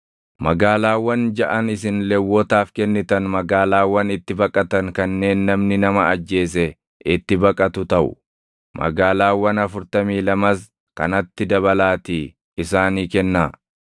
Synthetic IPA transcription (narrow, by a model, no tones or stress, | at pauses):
mɐɡaːlaːwːɐnd͡ʒɐʔɐnɪsɪnlɛwːɔt̪aːfkɛnːɪt̪ɐnmɐɡaːlaːwːɐnɪt̪ːɪbɐkʼɐt̪ɐŋkɐnːe̞ːnːɐmnɪnɐmɐɐd͡ʒːe̞ːs̬ɛ | ɪt̪ːɪbɐkʼɐt̪ʊt̪ɐʔʊ̰ | mɐ̰ɡaːlaːwːɐnɐfʊɾt̪ɐmiːlɐmɐs | kɐ̰nɐt̪ːɪd̪ɐβɐlaːt̪iː | ɪsaːniːkɛnːaː